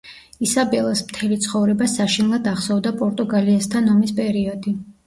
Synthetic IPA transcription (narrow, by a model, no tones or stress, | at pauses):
isabɛlˠasmt̪ʰɛlit̪sʰχɔvɾɛbasaʃinɛlˠad̪aχsɔvd̪apʼɔɾt̪ʼuɡaliast̪ʰanɔmispʼɛɾiɔd̪i